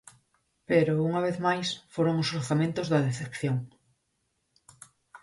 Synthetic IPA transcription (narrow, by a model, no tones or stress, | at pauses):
peɾouŋɐβeθmajsfoɾoŋʊsoɾθamẽnt̪ʊzðɐðeθepθjoŋ